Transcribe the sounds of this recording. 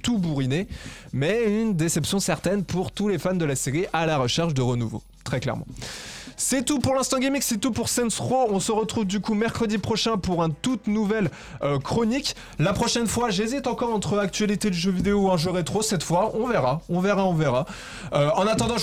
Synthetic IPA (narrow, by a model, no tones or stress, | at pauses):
t̪ubuʁinemɛynd̪esɛpsjɔ̃sɛʁt̪ɛnpuʁt̪ulefand̪əlaseʁiʔalaʁəʃɛʁʃd̪əʁənuvo̰ | t̪χɛklɛ̰ʁmɑ̰̃sɛt̪upuʁlɛ̃st̪ɑ̃ɡimiksɛt̪upuʁsɛ̃nsχoɔ̃səʁət̪χuvd̪ykumɛʁkχəd̪ipχɔʃɛ̃puʁɛ̃t̪ut̪nuvɛl | økχɔnik | lapχɔʃɛnfwaʒezit̪ɑ̃kɔʁɑ̃t̪χəak̚t̪ɥalit̪ed̪yʒøvid̪eoɛ̃ʒøʁet̪χosɛt̪fwaʔɔ̃veʁaɔ̃veʁaɔ̃veʁa | øɑ̃nat̪ɑ̃d̪ɑ̃